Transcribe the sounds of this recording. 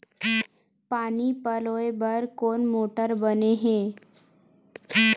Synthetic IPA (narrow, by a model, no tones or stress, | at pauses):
paːnipəloːebəɾkoːnmoːʈəɾbəneɦẽː